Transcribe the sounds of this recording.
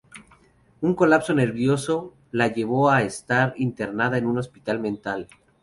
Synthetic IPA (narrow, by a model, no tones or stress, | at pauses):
uŋko̞lapso̞ne̞ɾβjo̞so̞ | laʝe̞βo̞aest̪aɾint̪e̞ɾnaðae̞nũno̞spit̪almẽnt̪al